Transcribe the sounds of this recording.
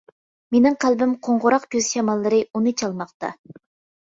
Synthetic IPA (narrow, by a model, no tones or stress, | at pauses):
menɪŋqʰælˠbɪmqʰoɴʁʊɾɑqkʲʰøz̥ʃɑmɑlˠːɨɾɨunɨt͡ʃʰɑlˠmɑqt̪ɑ̰